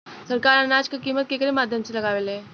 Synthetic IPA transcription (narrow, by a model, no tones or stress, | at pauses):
sɐɾkaːɾɐnaːd͡ʒkekiːmət̪̚kekəɾemaːd̪ʱjəmselɐɡaːʋelẽː